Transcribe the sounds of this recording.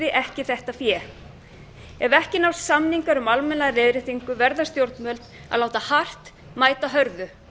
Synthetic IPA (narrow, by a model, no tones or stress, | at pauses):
ɪʔɛhcɪθɛht̪afjɛː | ɛvɛhcɪnawssamniŋkaɾʏmalmɛnaðrɪðɾɪθiŋkʏvɛɾðast̪jowɾt̪mœlt̪ | a̰ðlaːwt̪ahar̥t̪ | maːjt̪aɦœɾðʏ